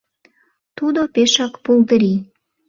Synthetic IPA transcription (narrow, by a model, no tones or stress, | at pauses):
t̪ud̪opeʃɑkpulˠt̪əɾi